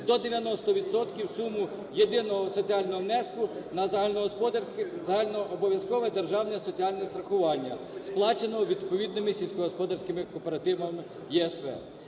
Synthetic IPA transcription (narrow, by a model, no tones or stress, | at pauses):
d̪ɔd̪eʋʲjɐnɔst̪ɔʋʲid̪sɔt̪kʲiwsumʊ | jed̪ɪnɔɦɔsɔt͡sʲiɑlʲnɔɦɔmnɛskʊnɐzɐlʲnɔkalʲnɔʔɔbɔʋʲjɐskɔʋɛd̪erʒɑwnɛsɔt͡sʲiɑlʲnɛst̪ɾɐxʊʋɑnʲːɐ̰ | splˠɑt͡ʃenɔɦɔʋʲid̪pɔʋʲid̪nɪmɪsʲilʲsʲkɔɦɔspɔd̪ɐrsʲkɪmɪkɔpeɾɐt̪ɪʋɐmɪ | jɛɛsʋɛ̰